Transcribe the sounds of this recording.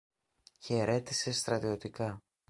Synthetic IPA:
çe̞ɾe̞t̪ise̞st̪ɾɐt̪io̞t̪ikɐ

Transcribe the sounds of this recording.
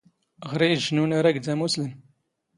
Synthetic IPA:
ʁɾiʒnunaɾæɡd̪æmusləm

